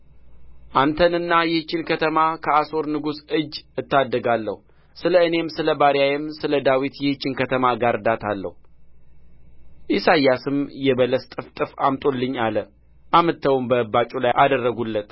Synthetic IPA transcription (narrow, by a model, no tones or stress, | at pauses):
ʔant̪ʰənɨnːajɪht͡ʃːɪnkʰət̪ʰəmakʰəaso̞ɾnɨɡusɨd͡ʒːɨt̪ːad̪ːəɡalːə̰hu | sɨləɨne̞msɨləbaɾjajɛmsɨləd̪awit̪jɛht͡ʃːɪnkət̪ʰəmaɡaɾd̪at̪ʰalːə̰hu | ʔisajːasɨmjɛbələst̪ʼɨft̪ʼɨfa̰mt̪ʼo̞lːɨɲːalə | ʔamət̪ʰːəwumbəbːat͡ʃʼulajʔad̪ərːəɡulːət̪